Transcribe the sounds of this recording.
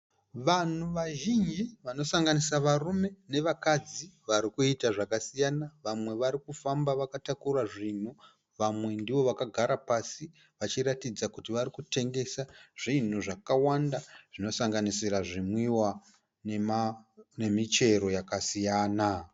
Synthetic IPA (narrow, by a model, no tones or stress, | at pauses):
ʋan̤uʋaʒind͡ʒiʋano̞saŋɡanisaʋarume̞ne̞ʋakad͡ziʋaɾikuitaʐakasijanaʋamwe̞ʋaɾikufambaʋakatakuraʐin̤u | ʋamwe̞ndiʋo̞ʋakaɡʱaɾapasi | ʋat͡ʃiɾatid͡zakutiʋaɾikute̞ŋɡe̞saʐ̥in̤uʐakawandaʐ̥ino̞saŋɡanisiɾaʐimwiwa | nemne̞mit͡ʃe̞ɾo̞jakasijaːna